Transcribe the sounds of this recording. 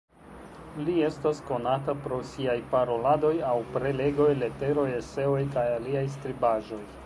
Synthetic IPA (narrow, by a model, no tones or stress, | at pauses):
lie̞stasko̞natapɾo̞siajpaɾo̞lado̞jawpɾe̞le̞ɡo̞jle̞te̞ɾo̞jese̞o̞jkajaliajs̬tɾibaʒo̞j